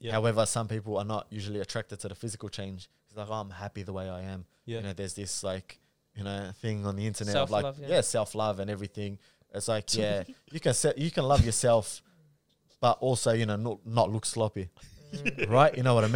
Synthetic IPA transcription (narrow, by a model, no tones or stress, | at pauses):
haʊɛvə˞sʌ̃mpipl̩ˠə˞nəʔjʉʒl̩ˠiɨtʰɹ̥æk̚tɨd̚tʰɨðəfɪzɨkl̩ˠt͡ʃʰẽɪ̃nd͡ʒ | iszlaɪkãɪ̃mhæpiðəweɪaɪɨ̃m | jɨñoʊðə˞zðɪslaɪk | jɨnoʊθɪ̃ŋə̃nðiɪ̃ntə˞nɛtʌvlaɪjæsɛlˠflʌvɨ̃nɛvɹiθɪ̃ŋ | ʔɪtslaɪkʰjæjɨkɨ̃nsɛjɨkʰɨ̃nlʌvjə˞sɛlˠf | b̥ʌɾʔɔlˠsoʊjɨnoʊnətnətˡlʊkslɔpi | ɹaɪʔjʔɨñoʊwʌɾəm